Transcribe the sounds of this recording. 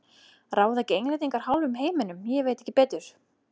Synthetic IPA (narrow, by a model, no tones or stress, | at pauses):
raːwðacejnlajt̪ĩŋkaɾ̥ɦawlvʏmɦeːjmɪnʏmjɛveːjt̪ɛçcːɪpɛːt̪ʏɾ̥